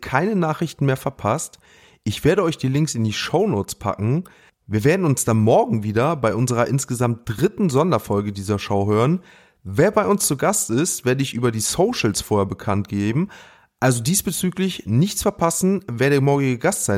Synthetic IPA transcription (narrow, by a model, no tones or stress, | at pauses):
kʰaɪnənaːχʁɪçtn̩meːɐfɛɐpʰast | ʔɪçv̥eːɐɾəɔʏçd̥iːlɪŋksɪndiːʃoʊnoːt͡spʰa̰kŋ̩ | viːɐveːɐdn̩ʊnsd̥anmɔɐɡŋ̩viːdɐbaɪʔʊnzəʁ̞ɐʔɪnsɡ̥əzamt̚d̥ʁɪtn̩zɔndɐfɔlɡədiːzɐʃaʊɦøːʁən | veːɐbaɪʔʊnst͡suɡastɪstv̥eːɐdəɪçʔyːbɐdiːsoʊʃl̩sfoːɐheɐbəkʰantɡ̥eːbm̩ | ʔalzodiːsb̥ət͡syːklɪçnɪçt͡sfɛɐpʰasn̩veːɐdeːɐmɔɐɡɪɡəɡastz̥aɪ